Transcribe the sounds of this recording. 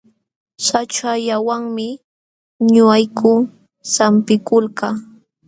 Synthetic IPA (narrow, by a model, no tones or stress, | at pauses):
sat͡ʃaʎawaŋmɪ | ɲʊajkʰʊ | sampɪkʊlka